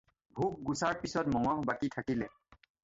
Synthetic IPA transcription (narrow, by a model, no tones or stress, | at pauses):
bʱuk̚ɡusaɹpisɔtmɔŋɔhbakitʰakilɛ